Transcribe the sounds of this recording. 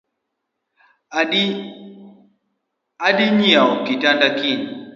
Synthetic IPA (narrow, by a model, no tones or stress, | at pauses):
aɗiɲiaukitandakin